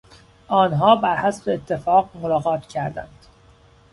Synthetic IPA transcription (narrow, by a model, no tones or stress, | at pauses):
ʔɒːnɦɒːbæɾhæsbeːt̪ʰːe̞fɒːɣmolɒːɣɒːt̪ʰcʰæɾd̪æ̰nd̪̥